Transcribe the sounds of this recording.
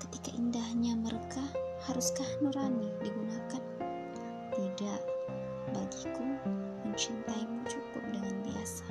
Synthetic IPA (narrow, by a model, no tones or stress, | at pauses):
kə̥t̪ikaʔindahɲamərkahaɾuskahnuɾanidiɡunakan | t̪idaʔ | baɡikʊn | məɲt͡ʃint̪ajmuŋt͡ʃukʊp̚dəŋanbia̰sḁ